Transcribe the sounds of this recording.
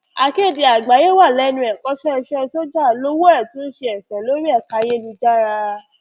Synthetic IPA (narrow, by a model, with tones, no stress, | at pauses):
a˨ke˦˨di˨a˨ɡ͡ba˨je˦wa˦˨lɛ˨˦nũ˦ɛ˨kɔ˦sɔ˦ɛ˧ʃɛ˦˧so˦d͡ʒa˦˨lo˦wo˦ɛ˦˨tũ˦ʃe˧ɛ˨fɛ̃˨lo˦ɾi˦ɛ˦˨ka˧˦je˦nĩ˧d͡ʒa˦ɾa˧